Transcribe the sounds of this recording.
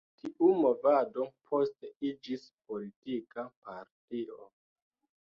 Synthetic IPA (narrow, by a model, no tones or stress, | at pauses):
tʰiʔumo̞vadopʰo̞steid͡ʒispo̞litikapaɾtio̰